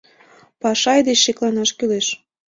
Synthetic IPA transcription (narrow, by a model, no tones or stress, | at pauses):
pɑʃɑjd̪et͡ɕːeklɑnɑʃkyleʃ